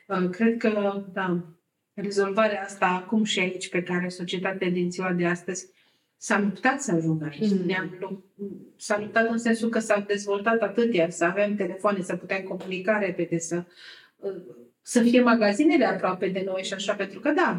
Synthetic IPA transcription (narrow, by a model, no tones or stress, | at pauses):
əkɾe̞d̪̚kəd̪a | re̞zo̞lvaɾeaast̪aːkumʃiait͡ʃʲpe̞kaɾe̞so̞t͡ʃie̞t̪at̪ead̪int̪siwad̪e̞ast̪əz̥ʲ | salupt̪at̪səaʒuŋɡait͡ʃnuneamluksalup̚t̪at̪ɨnse̞nsukəsamd̪e̞zvo̞lt̪at̪at̪ɨt̪jasəave̞mt̪e̞le̞foanesaput̪emko̞munikaɾe̞pe̞d̪e̞sə | səfije̞maɡazine̞leapɾoape̞d̪e̞no̞jʃiaʃape̞nt̪ɾukəd̪a